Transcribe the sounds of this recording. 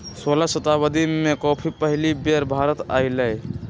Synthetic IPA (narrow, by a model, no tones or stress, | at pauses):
solasət̪abəd̪imekɔːpʰipəɦɪlibeɾbʱaːɾət̪a̰iləj